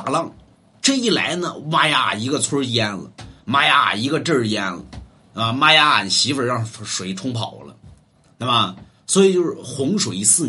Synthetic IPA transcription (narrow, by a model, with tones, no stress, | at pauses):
lɑ˥˧ŋ | ʈ͡ʂɤ˥˧i˥˩la̰˧˥ɪnə˧ma˥ja˥a̰˨˩i˧˥ɡə˧t͡sʰwə˥jɛ˥nlə̰˩ma˥ja˥a̰˨˩i˧˥ɡə˧ʈ͡ʂə˥˧jɛ˥nlə̰˩ | na˥˩mə˨˩ma˥ja˥a̰˨˩n˨˩ɕi˧˥fə˨˩˥ɻɑ˥˩ŋ˨˩ʂwe˨˩ɪʈ͡ʂʰʊ˥ŋpʰɑ˨˩ʊlə˦ | na˥˩mə˨ | swɔ˧˥i˨˩t͡ɕjo˥˧ʊʂɻ̩˥˩˧xʊ˧˥ŋʂwe˨˩ɪi˧˥sɹ̩˥˩